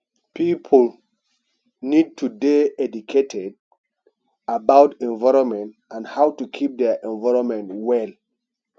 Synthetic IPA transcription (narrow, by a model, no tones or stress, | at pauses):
pʰipʰol | nid̚tʰudeɛdukʰetʰɛd | abawtɛ̃nvaɹɔ̃mɛ̃nt | ãnhawtukʰip̚dɛʔɛ̃nvaɹɔ̃nmɛ̃ntwɛl